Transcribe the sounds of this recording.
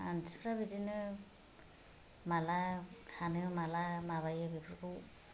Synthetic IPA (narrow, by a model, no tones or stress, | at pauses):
a̰nspʰɾabidinɯ | malakʰanɯmalamaβajɯbipʰɯɾkɯw